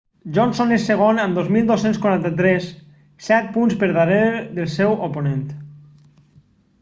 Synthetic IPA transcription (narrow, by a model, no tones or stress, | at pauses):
ʒɔnsonesːeɣ̞onamd̪ozmilˠd̪osenskwaɾant̪at̪ɾɛsː | ɛt̪̚punspəɾðaɾeɾɾðelˠsɛwoponẽnt̪